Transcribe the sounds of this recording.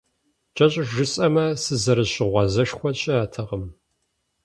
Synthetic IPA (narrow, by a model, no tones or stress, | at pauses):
t͡ʃʼɐɕʼʒɨsʼɐmɐsɨzɐɾɨɕɪʁʷɑzɐʂxʷɔɕʼɪaːtʰɐʁəm